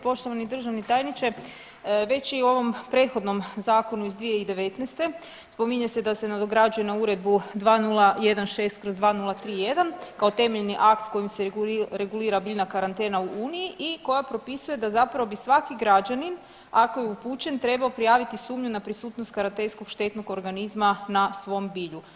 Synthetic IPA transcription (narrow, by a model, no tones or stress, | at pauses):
po̞ʃt̪o̞ʋanid̪r̩ʒaʋnit̪ajnit͡ʃe | ʋe̞t͡ɕiuo̞ʋo̞mpɾe̞t̪xo̞d̪no̞mzaːko̞nuizd̪ʋije̞id̪e̞ʋe̞t̪nest̪e̞ | spo̞miɲesed̪ase̞nad̪o̞ɡɾad͡ʒuje̞nauɾe̞d̪̚bud̪ʋaːnulˠaje̞d̪anʃe̞st̪kɾozd̪ʋaːnulˠat̪ɾiːje̞d̪ankaot̪e̞meʎniʔakt̪kojimseɾe̞ɡuliːɾabiːʎnakaɾant̪e̞ːnauʔuːnijiʔiko̞japɾo̞pisuje̞d̪azapɾaʋo̞bisʋakiɡɾad͡ʑanin | ako̞jeupuːt͡ɕe̞nt̪ɾe̞baopɾijaːʋit̪isuːmɲunapɾisuːt̪no̞st̪̚kaɾant̪ensko̞ɡʃt̪e̞t̪no̞ɡo̞ɾɡanizmanasʋo̞mbiːʎu